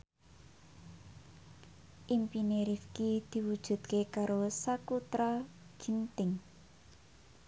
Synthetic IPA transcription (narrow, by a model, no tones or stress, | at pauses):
ʔimpineɾifkid̪̥i̤wud̥ʒ̥ṳd̪̚kekaɾosakut̪ɾaɡ̥i̤nt̪ɪŋ